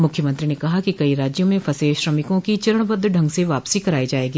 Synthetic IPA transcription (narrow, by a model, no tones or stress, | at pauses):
mʊkʰjəmɐ̃nt̪ɾinekɐɦakikɐiɾaːd͡ʒjõmẽfɐseːʃɾɐmɪkõkit͡ʃɐɾəɽ̃bəd̪ʱːɖʱɐ̃ŋɡseʋaːpsikɐɾaːid͡ʒaːeːɡiː